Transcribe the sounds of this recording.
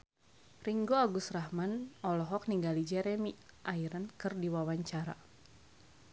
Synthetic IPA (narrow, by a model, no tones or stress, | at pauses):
riŋɡoaɡusrahmanɔlɔɦɔk̚niŋɡalid͡ʒɛɾɛmiʔaiɾankɨrdiwawaɲt͡ʃaɾa̰